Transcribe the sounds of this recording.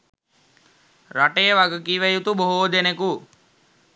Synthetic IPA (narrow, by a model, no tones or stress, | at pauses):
raʈəjəʋaɡəkiʋəjut̪uboɦod̪eneku